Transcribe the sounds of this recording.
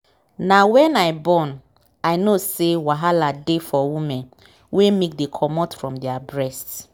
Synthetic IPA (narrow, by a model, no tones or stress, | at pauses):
nawɛ̃naɪbɔn | aɪnosewaɦaladefɔwimɛ̃n | wemek̚dekʰɔmɔtfɹɔ̃mdɛabɹɛst